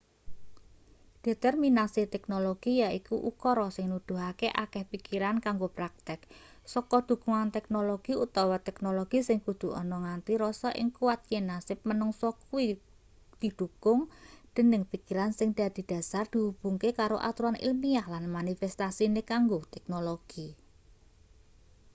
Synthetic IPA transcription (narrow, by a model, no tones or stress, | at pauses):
d̪̥e̤t̪ɛrminasit̪ɛk̚noloɡ̥ijaikuʔṵkɔɾɔsɪŋnud̪̥ṳɦakeʔakɛhpikiɾankaŋɡopɾak̚t̪ɪk̚ | sɔkɔd̪̥ṳkuŋant̪ɛk̚noloɡ̥iut̪awɔt̪ɛknoloɡ̥isɪŋkud̪̥ṳɔ̰nɔŋant̪iɾɔsɔʔɪ̰ŋkuwat̪̚jenasɪp̚mənɔŋsɔkui | d̪̥i̤d̪̥ṳkʊŋd̪̥ə̤nɪŋpikiɾansɪŋd̪̥a̤d̪̥i̤d̪̥ä̤sard̪̥i̤ub̥ṳŋkekaɾo̰ʔa̰t̪uɾanʔḭlmiahlanmanifɛst̪asinekaŋɡot̪ɛk̚noloɡ̥i